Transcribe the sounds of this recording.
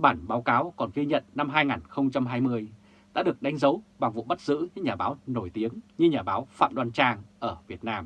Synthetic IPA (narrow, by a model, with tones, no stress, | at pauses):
ɓaː˧˩nɓaː˨˦wkaː˨˦wkɔ˨˩nɣi˧ɲə̰˧˨nːa˧mɦaː˧jŋaː˨˩nxə˧wŋ͡mt͡ɕa˧mɦaː˧jmɨ˧əj | ɗa̰ː˧˥ɗɨ˨˩ək̚ɗa˨˦ŋzə˨˦wɓa˨˩ŋvṵ˧˨ɓa˦˥t̚zɨ̰˧˥ɲɨ˧ɲaː˨˩ɓaː˨˦wno˧˩jt̪i˨˦əŋɲɨ˧ɲaː˨˩ɓaː˨˦wfa̰ː˧˨mɗwaː˧nt͡ɕaː˧ŋʔəː˧˩vi˨˩ət̚naː˧m